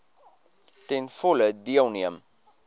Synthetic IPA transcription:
tɛnfɔlədiəlˠniəm

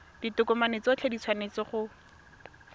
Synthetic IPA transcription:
d̥itʊkʊmanet͡sɔt͡ɬʰedit͡sʰwanet͡sɔχʊ

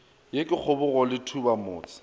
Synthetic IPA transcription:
jekʼɪk͡xʰʊbʊɣɔlɪtʰubamoːt͡sʼɪ̥

